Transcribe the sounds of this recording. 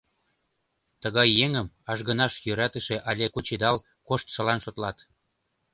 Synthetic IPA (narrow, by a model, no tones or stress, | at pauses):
t̪əɣɑjːeŋə̆m | ɑʒɣə̆nɑʃjøɾæt̪ə̆ʃĕʔɑlʲekut͡ɕed̪ɑl | koʃt̪ʃəlɑnʃot̪lɑt̪